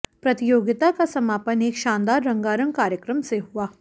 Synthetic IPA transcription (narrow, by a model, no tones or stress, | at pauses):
pɾɐt̪ɪjoːɡɪt̪akasɐmaːpəneːkʃãːnd̪aːɾːɐ̃ŋɡaːɾə̃ŋkaːɾjəkɾəmseɦuaː